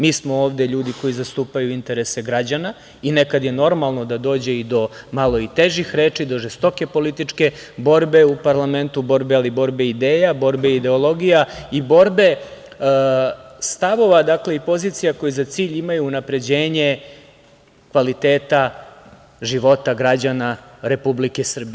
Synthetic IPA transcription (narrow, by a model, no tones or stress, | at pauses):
miːsmo̞oːʋd̪e̞ʎuːd̪iko̞jizast̪uːpajuint̪e̞ɾe̞seɡɾad͡ʑana | inekad̪je̞no̞ɾmalˠno̞d̪ad̪o̞ːd͡ʑeid̪o̞malˠo̞it̪eʒixɾeːt͡ʂid̪o̞ʒest̪o̞ke̞po̞lit̪it͡ʂke̞bo̞ɾbe̞upaɾlame̞nt̪ubo̞ɾbealibo̞ɾbe̞id̪eːjabo̞ɾbe̞id̪e̞olˠo̞ɡijaibo̞ɾbe̞ | st̪aʋo̞ʋad̪akle̞ipo̞ziːt̪sijako̞jizat̪siːʎimajuːnapɾe̞d͡ʑeːɲe̞ | kʋalit̪eːt̪a | ʒiʋo̞t̪aɡɾad͡ʑanaɾe̞publikesr̩bi